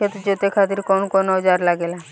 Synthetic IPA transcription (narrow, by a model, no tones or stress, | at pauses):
et̪d͡ʒot̪ekʰat̪iɾkɔnkɔnoɦəd͡ʒaɾlaɡela